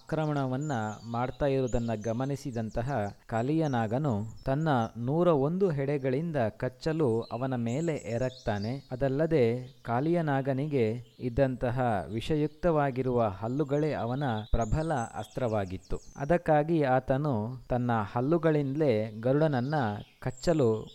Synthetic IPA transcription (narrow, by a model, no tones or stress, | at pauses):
kɾɐmɐɳɐʋɐnːɐmaːɽt̪aːjiɾud̪ɐnːɐɡɐmɐnisid̪ɐnt̪ɐɦɐkaːlijɐnaːɡɐnut̪ɐnːɐnuːɾɐo̞nd̪uɦɛɽɛɡɐɭind̪ɐkɐt͡ʃːɐluɐʋɐnɐmeːle̞ʔɛːɾɐk̚t̪aːne̞ɐd̪ɐlːɐd̪e̞kaːlijɐnaːɡɐniɡe̞id̪ːɐnt̪ɐɦɐʋiʂɐjuk̚t̪ɐʋaːɡiɾuʋɐɦɐlːuɡɐɭe̞ɐʋɐnɐpɾɐbʱɐlɐɐ̰st̪ɾɐʋaːɡit̪ːuɐ̰d̪ɐkːaːɡiaːt̪ɐnut̪ɐnːɐhɐlːuɡɐɭind̪le̞ɡɐɾuɽɐnɐnːɐkɐt͡ʃːɐlu